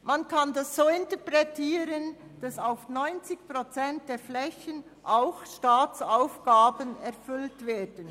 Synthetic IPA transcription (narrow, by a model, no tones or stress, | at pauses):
mankʰandasz̥oːɪntɛpɾɛtʰiːɾənd̥asaʊfnɔʏnt͡sɪçpʁot͡sɛnt̚d̥eːflɛçən | ʔaʊxʃtaːt͡saʊfɡ̥aːbənɛɾfʏltveːd̥ən